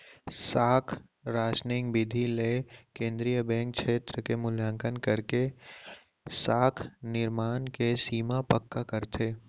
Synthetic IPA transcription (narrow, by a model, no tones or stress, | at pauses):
saːkʰ | ɾaːʃnɪŋkbɪd̪ʱileːkẽːnd̪ɾijəbɛ̃ːŋk̚ʃeːt̪ɾəkemʊlãŋkənkɐɾke | saːkʰnɪɾmaːnkesiːmapəkːakɐɾt̪ʰeː